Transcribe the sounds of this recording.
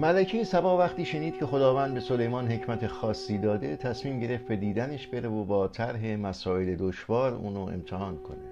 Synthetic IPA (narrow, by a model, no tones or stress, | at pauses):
mælæcʰejesæbɒːvæχt̪iːʃe̞niːd̪̥̚cʰe̞xo̞d̪ɒːvæːnd̪̚be̞so̞le̞jmɒːnɦe̞cʰmæt̪ʰe̞xɒːsːiːd̪ɒːd̪e̞t̪ʰæsmiːmɟe̞ɾeft̪̚be̞d̪iːd̪æneʃbe̞ɾevobɒːt̪ʰæɾɦe̞mæsɒːe̞led̪oʃvɒːɾṵːnoʔḛmt̪ʰehɒːnkʰo̞ne